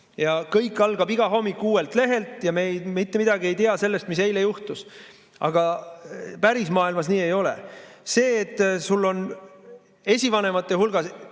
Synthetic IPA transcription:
jɑkɤjkːˑɑlɡ̥ɑbiɡ̥ɑɦo̞mːikːˑuːwe̞lt̪ˑle̞ɦe̞lt̪ˑjɑmejmit̪ːe̞mid̪ɑɡie̞jt̪eɑse̞lːe̞st̪mise̞jlejuht̪us | ʔɑ̰ɡ̥ɑ | pæɾismɑːilmɑs̬niːe̞jo̞lḛse̞ːt̪ːˑsulːo̞n | e̞sʲivɑne̞mɑt̪ːˑeɦulɡ̥ɑs

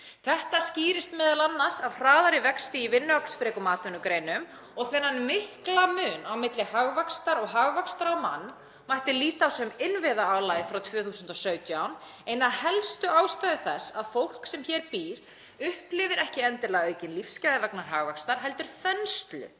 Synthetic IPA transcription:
θɛht̪asciːɾɪst̪mɛːðalanːḁsavr̥aːðaɾɪvɛkst̪ɪivɪnːʏakl̥sfɾɛːkʏmaːt̪ʏnʏkɾeːjnʏm | ɔɣθɪnːanmɪhklamʏːnawmɪt̪lɪhaɣvakst̪aɾɔɣɦaɣvakst̪aɾɔwma̰nː | majht̪ɪliːt̪aːwsœmɪnvɪðaaːwlaːjɪfɾawt̪ʰvœːθuːsʏnt̪ɔsœːɥt̪jawn | ejnahɛlst̪ʏaːwst̪aːðɪθɛsːaðfowl̥ksɛmçɛːɾpiːɾ̥ | ʏhplɪvɪɾɛhcɪɛnt̪ɪlaɣœːɥcɪnlifsːcajðɪvɛknaɾ̥ɦaɣvɛkst̪aɾ̥ɦɛlt̪ʏɾ̥fɛnst̪lʏ̰

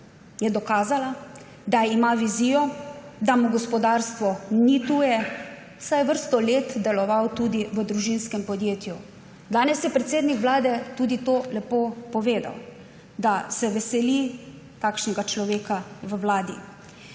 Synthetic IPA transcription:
jɛd̪ɔkaːzala | d̪aimaʋiziːjɔd̪amuɡɔspɔd̪aːɾst̪ʋɔnit̪uːjɛ | wsajʋəɾst̪ɔleːt̪d̪ɛlɔʋawt̪uːd̪iʋəd̪ɾuʒinskɛmpɔd̪jeːt̪ju | d̪aːnɛsjɛpɾɛt̪seːd̪nikʋlaːd̪ɛt̪uːd̪it̪olɛpopɔʋeːd̪a̰w | d̪asɛʋɛsɛli | t̪aːkʃnɛɡat͡ʃlɔʋeːkaʋəwlaːd̪ḭ

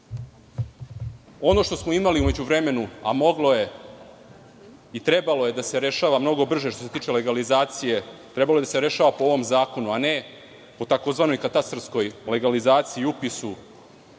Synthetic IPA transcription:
o̞no̞ʃt̪osmo̞imaliume̞d͡ʑuʋɾe̞me̞nua̰mo̞ɡlo̞je̞ | it̪ɾe̞balo̞je̞d̪ase̞ɾe̞ʃaːʋamno̞ɡo̞br̩ʒeʃt̪ose̞t̪iːt͡ʃe̞le̞ɡalizaːt̪sije̞t̪ɾebalo̞ed̪aseɾe̞ʃaːʋapo̞oʋo̞mzaːko̞nuane | po̞t̪ako̞zʋano̞jkat̪ast̪ɾsko̞jle̞ɡalizaːt̪siːupisu

